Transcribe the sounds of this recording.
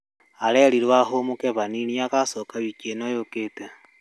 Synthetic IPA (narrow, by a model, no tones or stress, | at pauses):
aleɾiɾwaɦomukeβaniniakasokaβikenojoketa